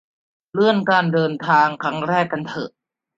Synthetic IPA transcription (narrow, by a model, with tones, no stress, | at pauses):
lɯ˥˩ənkaː˧ndɤː˧nt̪ʰaː˧ŋkʰɾa˦˥ŋɾɛː˥˩kːa˧nt̪ʰɤ̰˨˩